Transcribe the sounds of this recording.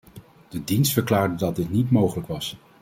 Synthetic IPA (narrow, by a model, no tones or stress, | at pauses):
d̥ədinstfəɹklaːɹdədɑt̚dɪtnitmowχələkʋɑs